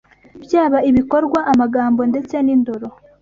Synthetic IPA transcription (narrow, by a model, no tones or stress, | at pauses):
bjaːβaiβiko̞ɾɡwaʔamaɡaːmbo̞nde̞t͡se̞nindoɾo̞